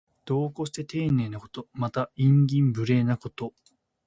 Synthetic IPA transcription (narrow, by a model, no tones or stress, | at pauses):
d̪̥o̞ːkoɕi̥t̪e̞t̪e̞ːne̞ːnako̞̥t̪o̞mat̪aĩŋɡʲĩmbɯ̟ɾe̞ːnako̞t̪o̞